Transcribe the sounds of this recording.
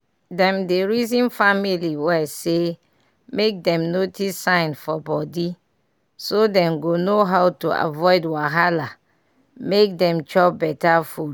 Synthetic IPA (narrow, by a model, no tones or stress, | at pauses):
dɛ̃mdeɹizĩnfamiliwɛse | mek̚dɛ̃mnotʰisːãɪnfɔbɔdi | sodɛ̃mɡonoɦawtua̰vɔɪdwaɦala | mek̚dɛ̃mt͡ʃɔp̚bɛtafud